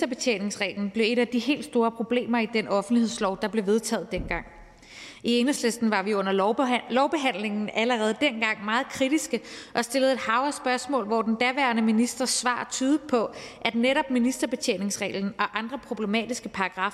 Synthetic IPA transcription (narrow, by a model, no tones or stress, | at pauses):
d̥ɐb̥e̝t͡sʰḛːne̝ŋsʁɛ̰ːln̩b̥le̝ʊe̝ɾæd̥iɦe̝̰ːld̥sd̥o̝ːɐpʰʁo̝b̥le̝̰ːmɐid̥enɒ̽fn̩d̥lihe̝ð̰ˠslɒʊd̥ɑ̈b̥le̝ʋe̝ð̞ˠt͡sʰɛ̰ːð̩ˠd̥en̰ɡ̥ɑ̈ŋ̰ | ie̝nəsle̝sd̥n̩ʋɑ̈ʋiɔ̽n̰ɐlɒʊb̥e̝ɦæn̰le̝ŋn̩æləʁɛːð̞̩ˠd̥enɡ̥ɑ̈ŋ̰mɑ̈ːð̩ˠkʰʁid̥isɡ̥əʔɒ̽sd̥e̝ləð̞̩ˠe̝d̥hɑ̈ʊɐsb̥ɶɐsmɔ̰̽ːlʋɒd̥end̥æɐʋæɐnəminisd̥ʁɐsʋɑ̰̈ːt͡sʰyːðˠi̥pʰɒ̽ʔæd̥neɾɒ̽b̥minisd̥ɐb̥e̝t͡sʰḛne̝ŋsʁɛ̰ːln̩ɒ̽ʔɑ̈nd̥ʁɐpʰʁo̝b̥lemɛ̰ːd̥isɡ̥əpʰɑ̈ɑɡ̥ʁɑ̈f